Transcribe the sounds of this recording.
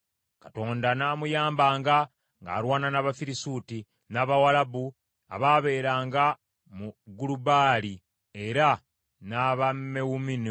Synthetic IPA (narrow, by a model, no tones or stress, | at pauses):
kato̞ːndanaːmujaːmbaːŋɡa | ŋɡa̰ːɾwaːnanaβafiɾisuːti | naːβawalabu | a̰βaːβe̞ːɾaːŋɡa | muɡulubaːli | eɾa | naβamːewumini